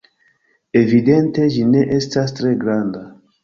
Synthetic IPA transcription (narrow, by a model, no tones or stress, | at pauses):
e̞vidente̞ʒineʔestastɾe̞ɡɾanda